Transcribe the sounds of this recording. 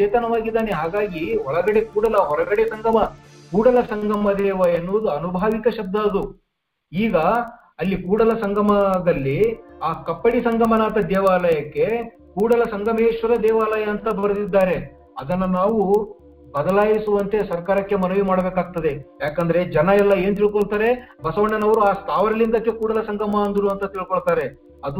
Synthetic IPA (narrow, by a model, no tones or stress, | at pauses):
t͡ʃɛːt̪ɐnɐʋaːɡid̪ːaːneɦaːɡaːɡiɔɭɐɡɐɽe̞kuːɽɐlɐɦɔɾɐɡɐɽesɐŋɡʱɐmɐ | kuːɽɐlɐsɐŋɡʱɐmɐd̪ɛːʋɐjɐnːoʋd̪uɐnubʱaːʋikɐʃɐb̚d̪aːd̪u | iːɡɐ | ɐlːikuːɽɐlɐsɐŋɡʱɐmɐd̪ɐlːiaːkɐpːɐɽisɐŋɡʱɐmɐnaːt̪ɐd̪ɛːʋaːlɐjɐkːe̞ | kuːɽɐlɐsɐŋɡʱɐmeːʃʋɐɾɐd̪ɛːʋaːlɐjɐːnt̪ɐbɐɾd̪id̪ːaːɾe̞ | ɐd̪ɐnːɐnaːʋu | bɐd̪ɐlaːjisuʋɐnt̪e̞sɐɾkaːɾɐkːe̞mɐnɐʋimaːɽɐbeːkaːɡ̚t̪ɐd̪e̞jaːkɐnd̪ɐɾe̞d͡ʒɐnɐɛlːɐe̞ːnut̪̬iɭkoɭt̪aːɾe̞bɐsɐʋɐɳːɐnɐʋɐɾuaːst̪ʰaːʋɐɾɐlːind̪ɐkːekuːɽɐlɐsɐŋɡʱɐmɐːnd̪uɾuɐnt̪ɐt̪iɭkoɭt̪aːɾe̞ | ɐd̪u